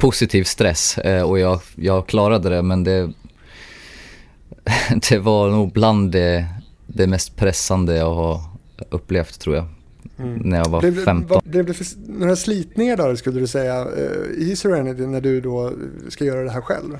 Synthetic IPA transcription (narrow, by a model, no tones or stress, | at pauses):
pʰʊsɪt̪ʰiːvst̪ɾɛsɔjɑɡjɑɡkʰlɑːɾad̪əd̪ɛmɛnd̪ɛ | d̪̥ɛvanuːɡ̚bland̪ːɛ | d̪ɛmɛst̪pʰɾɛsːand̪əjɑɡhaɾ | ɵpːleft̪ʰːɾuːɾja | næɾjɑɡvaɾɛfɛmt̪ɔblɛvd̪ɛfnoːɾasliːt̪nɪŋaɖæɾskɵlːəd̪ɵsɛjːa̰hɪsɔɾænɪt̪ɪnæɖɵd̪ɔskajœːɾad̪ɛɦæːɾɧɛ̰lv